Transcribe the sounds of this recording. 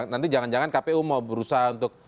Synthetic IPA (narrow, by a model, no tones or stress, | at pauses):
nant̪id͡ʒaŋand͡ʒaŋankapeumaubəɾusaɦaunt̪ʊk̚